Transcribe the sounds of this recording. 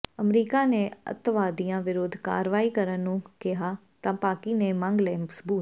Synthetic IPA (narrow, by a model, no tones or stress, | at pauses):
əmɾiːkaːneːə̰t̪ʋaːd̪ijãːʋɪɾoːd̪ʱka̰ːɾʋaːiːkəɾənːũːkɪɦaː | t̪ãːpaːkiːneːmãŋɡleːməsbuːt̪